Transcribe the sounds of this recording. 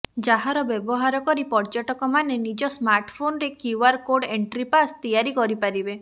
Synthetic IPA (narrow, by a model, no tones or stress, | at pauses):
d͡ʒaɦaɾɔbebɔɦaɾɔkɔɾipɔɾd͡ʒɔʈɔkɔmanenid͡ʒɔsmaɾʈpʰonɔɾekuaɾkoɖeɳʈɾipast̪ijaɾikɔɾipaɾibe